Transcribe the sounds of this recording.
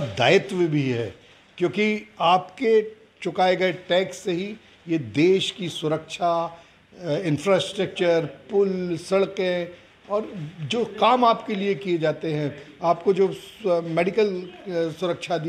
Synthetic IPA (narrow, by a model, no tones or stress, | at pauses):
d̪aːɪt̪ʋbʱiɦɛ̰ː | kjõːkiaːpke | t͡ʃʊkaːeɡɐeʈɛːksːeɦi | jed̪eːʃkisʊɾəkʃa | ɪ̃nfɾaːsʈɾək̚t͡ʃəɾpʊlsɐɽkẽ | ɔːɾd͡ʒoːkaːmaːpkeliekied͡ʒaːt̪eɦɛ̃aːp̚kod͡ʒoːmeːɖɪkəlsʊɾəkʃʰad̪i